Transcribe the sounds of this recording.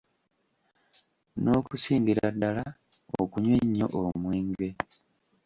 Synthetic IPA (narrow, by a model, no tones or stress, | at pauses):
no̞ːkusiːmbiɾadːala | o̰kuɲweɲːo̞̰ʔomweːŋɡe̞